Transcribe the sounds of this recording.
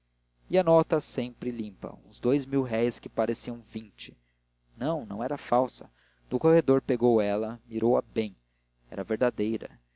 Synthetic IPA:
iɐnɔt̪ɐsẽpɾɪlĩmpɐ̰ũzd̪ojzmiwɦɛjskɪpaɾesiɐ̃w̃vĩnt͡ʃɪ̥ | nɐ̃w̃nɐ̃w̃ɛɾɐfawsɐ | nʊkohed̪oɾpeɡowɛlɐmiɾowɐbẽj̃ | ɛ̰ɾɐveɾd̪ad̪ejɾɐ̰

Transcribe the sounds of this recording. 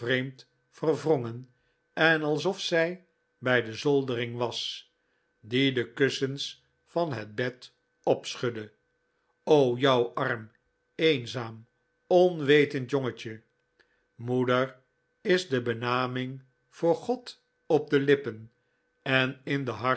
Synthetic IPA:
rejmt | fərvrɔŋən | ɛnɑlˠsɔfsɛj | bɛjdəzɔlˠdərɪŋʋɑs | didəkøsəns | fɑnɦəd̚bɛt | ɔpsχødə | owjʌwɑrm | ejnzaːm | ɔnʋejtəntjɔŋət͡ʃə | mudəɹ | ɪzdəbənaːmɪŋ | v̥ʊːɹχɔt | ɔp̚dəlɪpən | ɛnɪndəɦɑ

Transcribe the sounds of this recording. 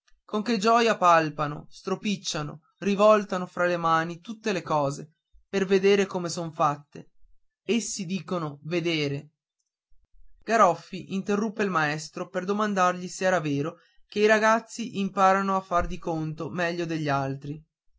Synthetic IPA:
koŋk̟ed͡ʒɔːjapalpano̰st̪ɾopit͡ʃːano̰ | rivɔlt̪anofɾalemaːnit̪ut̪ːelekɔːze | perved̪eːɾekomesoɱfat̪ːḛ | esːid̪iːkonoved̪eːɾe | ɡ̥aɾɔfːiʔint̪erːupːeilmaɛst̪ɾoperd̪omand̪arʎiseɛːɾaveːɾo | keiɾaɡat̪sːiʔimpaːɾanoafːard̪ikont̪omɛʎːod̪eʎːialt̪ɾi

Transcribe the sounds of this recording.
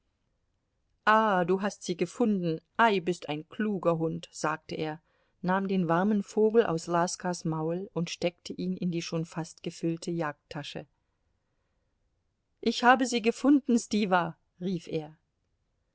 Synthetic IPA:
ʔaːduːɦastz̥iːɡəfʊndn̩ʔaɪbɪstaɪnkʰl̥uːɡɐɦʊntz̥aːk̚təʔeːɐ | naːmdeːnvaʁmənfoːɡl̩ʔa̰ʊslaskasmaʊlʊntʃtɛktʰəʔiːnɪndiːʃoːnfastɡ̥əfʏltʰəjaːk̚tʰːaʃə̰ | ʔɪçhaːbəziːɡəfʊndn̩stiːva | ʁiːfʔeːɐ

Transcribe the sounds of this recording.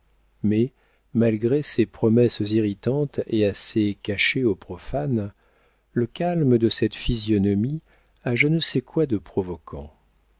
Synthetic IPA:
mɛ | malɡʁesepχɔmɛsziʁit̪ɑ̃t̪easekaʃeopχɔfan | ləkalməd̪əsɛt̪fizjɔnɔmi | aʒənəsɛkwad̪əpχɔvɔkʰɑ̃

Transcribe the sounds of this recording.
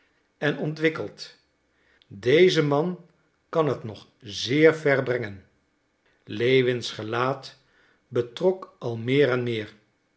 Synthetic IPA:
ɛnɔntʋɪkəlˠt | dejzəmɑn | kɑnɦətnɔχ | zɪːɹvɛɹbrɛŋən | lejʋɪnsχəlaːt | bətrɔkʔɑlˠmɪːɾɛnmɪːɹ

